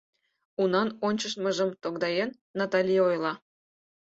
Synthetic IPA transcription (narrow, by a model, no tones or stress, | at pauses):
unɑnonʲt͡ɕəʃmə̆ʒə̆mt̪oɡd̪ɑjenːɑt̪ɑlʲijojlˠɑ